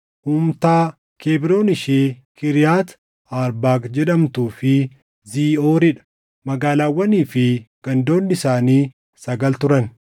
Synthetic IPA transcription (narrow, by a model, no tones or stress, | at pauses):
huːmt̪aː | keːbɪɾo̞ːnɪʃeːkɪɾɪjaːt̪ | aːɾbaːkd͡ʒɛᶑɐmt̪uːfɪ | ziːoːɾɪᶑɐ̥ | mɐɡaːlaːwːɐniːfɪɡ̥ɐnd̪o̞ːnːɪsaːniː | sɐɡɐlt̪ʊɾɐn